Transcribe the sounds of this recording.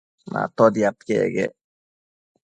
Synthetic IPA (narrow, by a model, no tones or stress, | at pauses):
ma̰t̪ɔd̪iat̪kḛɡɛ̰